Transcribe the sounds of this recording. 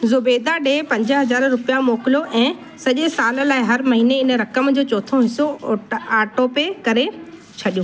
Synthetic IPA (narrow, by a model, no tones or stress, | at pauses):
zʊbeːd̪aɗeːpɐ̃ɲd͡ʑəɦɐzaːɾɾʊpijamoːkɪloʔɛ̃ː | sɐʄesaːlə̆laːɪɦɐɾmɐɦiːneɪnəɾɐkəmd͡ʑoːt͡ɕɔːt̪ʰõɦɪsoaːʈoːpekɐɾe | t͡ɕʰɐɗijũː